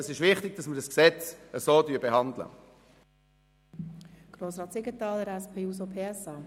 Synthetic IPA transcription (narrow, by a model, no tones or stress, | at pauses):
əsɪʃʋɪχtɪɡ̚dɑsmədɑsksɛt͡səsoːdyəbeɦɑndlə̰ | ɡ̥ɾoːsɾɑːt̪sɪɡətɑːləɾɛspʰeːusopʰeːɛsɑː